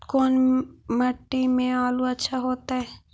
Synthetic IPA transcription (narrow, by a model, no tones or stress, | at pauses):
koːnmɐʈːimẽaːluɐtːʃʰaɦoːt̪aɦɛː